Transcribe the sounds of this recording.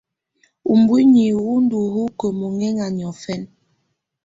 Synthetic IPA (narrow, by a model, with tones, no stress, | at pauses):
u˨mbwi˦ɲi˨wu˦n̩˦du˨hu˦kə˨mo˨ŋɛ˦ŋa˨ɲ˨ɔ˨fɛ˦n